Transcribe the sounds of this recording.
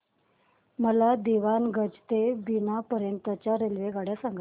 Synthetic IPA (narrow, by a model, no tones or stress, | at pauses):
məlad̪iʋanɡʱəd͡ʑt̪ebinapəɾjənt̪ːət͡ɕaɾelʋeɡaɽjasaŋɡə